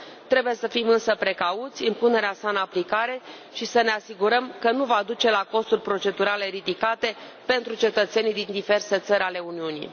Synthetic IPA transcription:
t̪ɾe̞buje̞səfimɨnsəpɾe̞kaut̪sʲimpune̞ɾeasaɨnaplikaɾe̞ | ʃisəneasiɡuɾəmkənuvad̪ut͡ʃe̞lako̞st̪urʲpɾo̞t͡ʃe̞d̪uɾale̞ɾid̪ikat̪e̞ | pe̞nt̪ɾut͡ʃe̞t̪ət̪se̞nid̪ind̪ive̞rse̞t̪səɾʲale̞uniunḭ

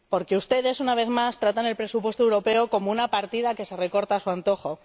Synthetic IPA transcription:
po̞ɾke̞ust̪e̞ðe̞sunaβ̞e̞θmast̪ɾat̪ane̞lpɾe̞supwe̞st̪oewɾo̞pe̞o̞ko̞mounapaɾt̪iðake̞se̞re̞ko̞ɾt̪asuant̪o̞xo̞

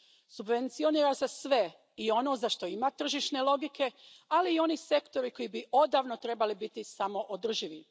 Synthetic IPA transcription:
subʋe̞nt̪sio̞niːɾasesʋe | io̞no̞ːzaʃt̪o̞imat̪r̩ʒiʃne̞lo̞ɡikʰe̞aliːo̞nise̞kt̪o̞ɾiko̞jibiʔo̞d̪aːʋnot̪ɾe̞balibit̪isamo̞ʔod̪r̩ʒiʋi

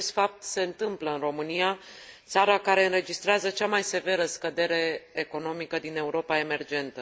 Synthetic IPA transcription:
est̪fap̚t̪se̞ɨnt̪ɨmpləɨnro̞mɨnijat̪saɾakaɾe̞ɨnɾe̞d͡ʒist̪ɾeazət͡ʃamajse̞ve̞ɾəskəd̪e̞ɾe̞ːko̞no̞mikəd̪ine̞uɾo̞pae̞me̞rd͡ʒe̞nt̪ə

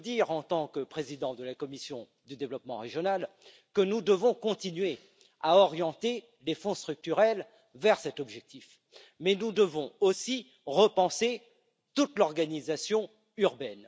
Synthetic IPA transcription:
d̪iʁɑ̃t̪ɑ̃kəpχezid̪ɑ̃d̪əlakɔmisjɔ̃ | d̪yd̪evlɔpmɑ̃ʁeʒjɔnal | kənud̪əvɔ̃kɔ̃t̪inɥe | aɔʁjɑ̃t̪e | lefɔ̃st̪χyk̚t̪yʁɛl | vɛʁsɛt̪ɔbʒɛk̚t̪if | mɛnud̪əvɔ̃osi | ʁəpɑ̃se | t̪ut̪lɔʁɡanizasjɔ̃ | yʁbɛn

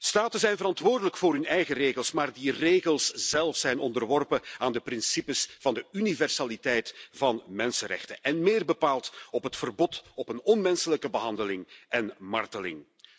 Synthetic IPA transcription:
staːtəzɛjnvəɾɑntʋoːrdələkfoːɾɦɵnɛjɣəreːɣəlˠsmaːrdireːɣəlˠsz̥ɛlˠfszɛjnɔndərʋɔrpəaːndəprɪnsipəsv̥ɑndəynivɛrsaːlitɛjtv̥ɑnmɛnsənɾɛ̰xtəʔɛnmɪːrbəpaːlˠtɔpɦətfərbɔtɔpənɔnmɛnsələkəbəɦɑndəlɪŋʔɛnmɑ̰rtəlɪ̰ŋ

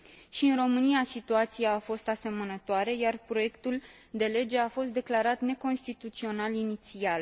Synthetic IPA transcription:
ʃiɨnro̞mɨnijasit̪uat̪siaːfo̞st̪ase̞mənət̪oaɾe̞jarpɾo̞je̞kt̪ul | d̪e̞le̞d͡ʒe̞afo̞st̪d̪e̞klaɾat̪ne̞ko̞nst̪it̪ut̪sio̞nalinit̪sial

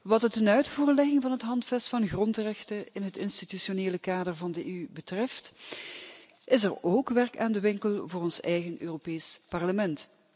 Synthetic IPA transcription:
ʋɑt̚dətənœɥtfuːrlɛɣɪŋvɑnɦətɦɑntfɛstfɑnɣrɔntrɛxtəɪnɦətɪnstityʃoneːləkaːdərvɑndəeybətrɛft | ʔɪs̬ɛroːkʋɛrkaːndəʋɪŋkəlˠvʊːrɔnsɛjɣənʔøːropeːspɑrləmɛnt

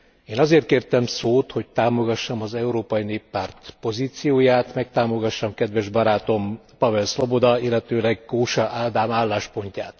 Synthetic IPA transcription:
eːnɒzeːrt̪̚keːrt̪ɛmsoːt̪ho̞c̚t̪aːmo̞ɡɒʃːɒmɒzɛuɾoːpɒjineːpːaːrt̪po̞ziːt̪sijoːjaːt̪mɛk̚t̪aːmo̞ɡɒʃːɒmkɛd̪ʋɛʒbɒɾaːt̪o̞m | pɒvɛlslo̞bo̞d̪ɒilːɛt̪øːlɛɡːoːʃɒʔaːd̪aːmaːlːaːʃpo̞ɲcaːt̪

